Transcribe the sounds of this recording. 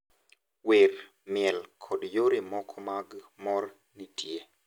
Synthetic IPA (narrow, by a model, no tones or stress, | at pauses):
wer | mɪɛlkʰɔdjoɾimɔkʰɔmaɡmɔr | nitje